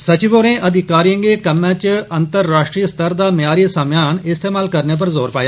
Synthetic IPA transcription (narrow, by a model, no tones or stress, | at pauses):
sət͡ʃɪʋoːɾẽːʔəd̪ɪkaːɾijə̃ŋɡeːkəmːãːt͡ʃənt̪əɾːaːʃʈɾiːəst̪ʰəɾd̪aːmjaːɾiːsəmjaːnɪst̪eːmaːlkəɾneːp̬əɾzoːɾpaːjaː